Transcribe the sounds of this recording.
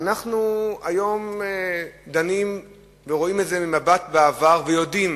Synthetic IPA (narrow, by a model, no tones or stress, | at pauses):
anaχnuajo̞m | d̪anim | veʁo̞imetze̞mimabat̪beavaʁvejo̞dim